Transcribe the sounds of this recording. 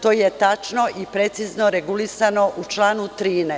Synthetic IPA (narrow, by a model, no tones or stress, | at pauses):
t̪o̞ːjet̪at͡ʃno̞ʔipɾe̞t̪siznoɾeɡulisano̞ʔut͡ʃlaːnut̪ɾiːne